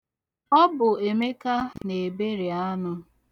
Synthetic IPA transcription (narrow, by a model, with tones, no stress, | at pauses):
ɔ˦bʊ˨e˨me˦ka˦ne˨be˦ɾi˨a˦nʊ˦